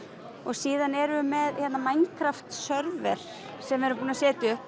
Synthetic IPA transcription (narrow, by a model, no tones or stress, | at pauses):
ɔɣsiːðanɛɾʏmɛðçɛt̪namajnŋkʰɾaft̪sœɾvɛɾ̥ | sɛmɛɾʏpuːnasɛːt̪ɪʏhp